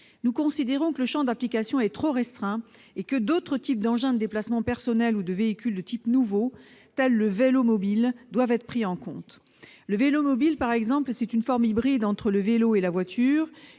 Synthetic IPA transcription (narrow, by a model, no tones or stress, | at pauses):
nukɔ̃sid̪eʁɔ̃kələʃɑ̃d̪aplikasjɔ̃ɛt̪χoʁɛst̪χɛ̃ | ekəd̪ot̪χət̪ip̚d̪ɑ̃ʒɛ̃d̪əd̪eplasmɑ̃pɛʁsɔnɛlud̪əveikʲyld̪ət̪ipnuvo | t̪ɛlːəvelomɔbild̪wavɛt̪χə̥pχiɑ̃kɔ̃t̪ | ləvelomɔbilpaʁɛɡzɑ̃plsɛt̪ynfɔʁmibʁid̪ɑ̃t̪χələveloelavwat̪ʰyːʁ